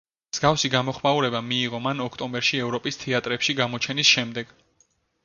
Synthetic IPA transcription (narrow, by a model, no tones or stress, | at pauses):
mz̥ɡafsiɡamɔχmauɾɛbamiːʁɔmanɔkʰt̪ʼɔmbɛɾʃiɛvɾɔpʼist̪ʰɛat̪ʼɾɛpʃiɡamɔt͡ʃʰɛnisʃɛmd̪ɛɡ̥